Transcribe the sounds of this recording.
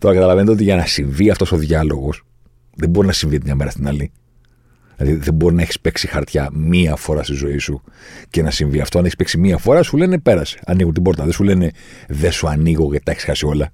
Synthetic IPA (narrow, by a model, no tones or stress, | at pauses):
t̪o̞ɾɐkɐt̪ɐlɐvenet̪eot̪iʝɐnɐsiɱviɐft̪o̞so̞ðʝɐlo̞ɣo̞s | ðe̞bo̞ɾinɐsiɱvit̪imɲɐme̞ɾɐst̪inɐli | lɐðiðe̞mbo̞ɾinɐeçi̥spe̞ksixɐɾt̪çɐmiɐfo̞ɾɐst̪izo̞isuce̞nɐsiɱviɐft̪oneçispeksimiɐfo̞ɾɐsule̞ne̞pe̞ɾɐse̥ɐniɣunt̪ibo̞ɾt̪ɐðesule̞ne̞ðesuɐniɣo̞ɣet̪eçi̥sxɐsio̞lɐ